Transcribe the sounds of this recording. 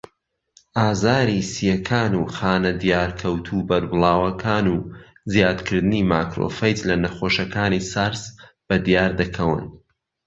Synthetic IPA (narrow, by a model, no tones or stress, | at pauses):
ʔaːzaːɾisijɛkʰaːnuxaːnɐd̪ijaːɾkʰɐwt̪ʰuːbɐɾbɨlˠaːwɐkʰaːnuː | zjaːd̪kʰɨɾd̪ɨnimaːkɾo̰ːfɐjt͡slɐnɐχoːʃɐkaːnisaɾz | b̥ɐd̪ijaːɾd̪ɐkʰɐwɨ̰n